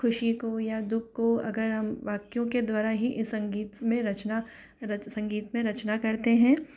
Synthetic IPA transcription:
kʰʊʃikojad̪ʊkʰːoɐ̰ɡəɾɦɐmʋaːkjõked̪waːɾaɦiʔɪsːɐ̃ŋɡiːt̪mẽɾɐt͡ʃna | ɐsɐ̃ŋɡiːt̪mẽɾɐt͡ʃnakɐɾt̪eɦɛ̃ː

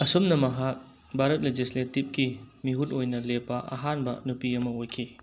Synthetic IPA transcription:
ɐsumnɐmɐɦak̚ | bʱaɾɐt̚led͡ʒisletip̚kimiɦutojnɐlepːɐʔɐ̰ɦanbɐ̰nupiɐmɐojkʰi

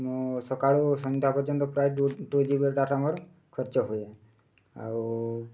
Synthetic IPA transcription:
mosɔkaɭosɔnd̪ʱjapɔɾt͡ʃɔnt̪ɔpɾajʈʈod͡ʒibeɾʈaʈamɔɾ | kʰɔɾt͡ʃɔɦoe | a̰w

